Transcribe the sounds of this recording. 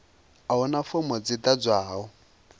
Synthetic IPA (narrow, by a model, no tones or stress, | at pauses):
aʊnafʊmɔt͡sɪtad͡zʷaːɔ